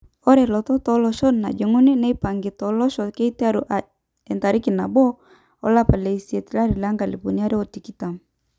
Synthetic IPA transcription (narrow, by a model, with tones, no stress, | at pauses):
ɔ˦ɾɛ˨lɔ˨tɔ˦tɔlɔ˨ʃɔ˦na̰˨d͡ʒe˨ŋu˦ni˦nɛ˦i˦pa˨ŋɡi˨tɔ˨lɔ˦ʃɔ˨kɛ˦i˦ti˦a˦ɾu˨ʔa | ɛ˨nta˨ɾi˦ki˨na˨bɔ˦ | ɔ̰˦la˦pa˨le˨isi˨e˨ti˨la˦ɾi˨la˦ŋɡa˨li˨pu˨nia˦ɾi˦ɔ˨ti˨ki˦ta˨m